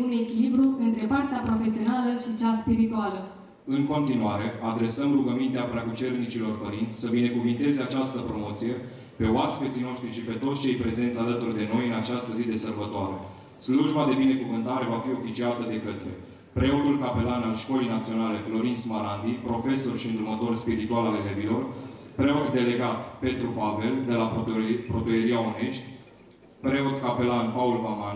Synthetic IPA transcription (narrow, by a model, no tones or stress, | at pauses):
unekʲilibɾuɨnt̪ɾe̞part̪eapɾo̞fe̞sio̞naləʃit͡ʃaspiɾit̪ualə | ɨŋko̞nt̪inuaɾe̞ʔad̪ɾe̞səmruɡəmint̪eapɾakut͡ʃe̞rnit͡ʃilo̞rpəɾint̪sʲsəbine̞kuvint̪e̞zeat͡ʃast̪əpɾo̞mo̞t̪sije̞ | pe̞oaspet̪sijno̞ʃt̪ɾiʃipe̞t̪o̞t̪sʲt͡ʃe̞jpɾe̞ze̞nt̪sʲalət̪urd̪e̞no̞jɨnat͡ʃast̪əzid̪e̞sərbət̪oaɾe | sluʒbad̪e̞bine̞kuvɨnt̪aɾe̞vafio̞fit͡ʃiat̪əd̪e̞kət̪ɾe̞̰ | pɾe̞od̪ulkape̞lanalʃko̞lejnat̪sio̞nale̞flo̞ɾint̪smaɾand̪ipɾo̞fe̞so̞rʃiɨnd̪urmət̪o̞rspiɾit̪ualalelebilo̞rpɾe̞o̞d̪d̪e̞le̞ɡat̪pe̞t̪ɾubabe̞ld̪e̞lapɾo̞t̪ue̞ɾiaone̞ʃt̪ʲ | pɾe̞od̪kape̞lanpaulvaman